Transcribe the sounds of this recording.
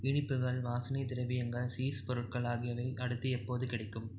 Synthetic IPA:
ɪɳɪpːɯɣɐɭʋaːsɐnit̪ɪɾɐʋɪjɐŋɡɐsiːspɔɾɯʈ̚kɐɭaːɣɪjɐʋɐɪʔɐɽɯt̪ːɯɛpːoːðɯkɪɽɐɪkːɯm

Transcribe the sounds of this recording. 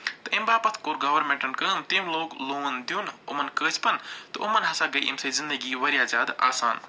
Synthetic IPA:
t̪ɨʔimbaːpɐt̪ʰkoːɾɡɐʋɐɾmẽɳʈɐnkəːmt̪imloːkloːnd̪juːnṵmɐnkəːzpɐnt̪ɨʔumɐnɦɐsaːɡɐjʔḭmsezind̪ɐɡiːʋɐɾjaːzaːd̪a̰ːsaːn

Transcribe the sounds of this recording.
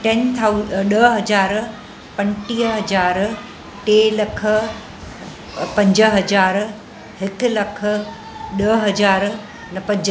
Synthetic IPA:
ʈɛnt̪ʰaɗəɦɐd͡ʑaːɾ | pɐ̃ɲʈiːɦɐd͡ʑaːɾ | ʈeːlɐkʰə̆ | pɐ̃ɲd͡ʑə̆ɦɐd͡ʑaːɾ | hɪk̆lɐkʰə̆ | ɗəɦɐd͡ʑaːɾ | nɐpɐ̃ɲd͡ʑ

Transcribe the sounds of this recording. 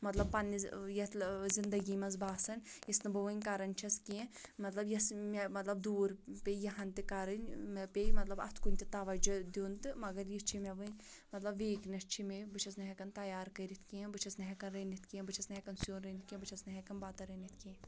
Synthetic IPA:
mɐt̪lɐb̚pɐnːijɐt̪zind̪ɐɡimɐnzbaːsɐnjisnɨbɨʋɨnʲkaɾɐnʲt͡ʃʰɐskiẽmɐt̪lɐbjɐsmemɐt̪lɐbd̪uːɾpejɐɦɐnt̪ɨkaɾɐnʲmpejmɐt̪lɐbɐ̰t̪ʰkunʲt̪it̪aːʋɐd͡ʒd̪uːnt̪ɨmɐɡɐɾjit͡ʃʰimʲɐʋɨnmɐt̪lɐbʋeːknɐt͡ʃʰimebɨt͡ʃʰɐsnɐɦʲɛkɐnt̪ɐjaːɾkɐɾit̪ʰkiẽbɨt͡ʃʰɐsnɐɦɛkɐnɾeːnit̪ʰkiẽbɨt͡ʃʰɐsnɐɦɛkɐnsijoːnɾenit̪̚kʲẽbɨt͡ʃʰɐsnɐɦɛkɐnbaːt̪ɐɾenit̪ʰkĩ

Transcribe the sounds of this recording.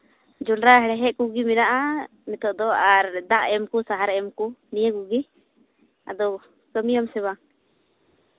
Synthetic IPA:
d͡ʒulɾaɦɛɾɛɦɛʔkuɡiminaʔa | mɛt̪ɔʔd̪ɔaɾd̪aʔɛmkusaɦaɾɛɛmkunijɛɡuɡi | a̰d̪ɔ | kəmijɔmsɛβaŋ

